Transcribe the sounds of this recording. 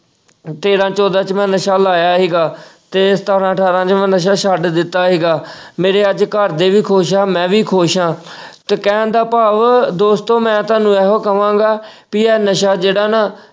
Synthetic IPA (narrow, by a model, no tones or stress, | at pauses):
t̪eːɾãːt͡ʃɔːd̪ãːt͡ʃmɛ̃ːnəʃaːlaːjaːɦiːɡaːt̪eːst̪ʰaːɾãːəʈʰaːɾãːt͡ʃmɛ̃ːnəʃ̬aːʃaɖd̪ɪt̪ːaːɦiːɡaːmeːɾeːəd͡ʒkəɾd̪eːʋiːkʰoːʃaːmɛ̃ːʋiːkʰoːʃãː | t̪ekɛ̃ːnd̪aːpaːʋd̪oːst̪õːmɛ̃ːt̪aːnũːɛːɦoːkəʋãːɡaː | piːɛːnəʃaːd͡ʒeːɽaːnaː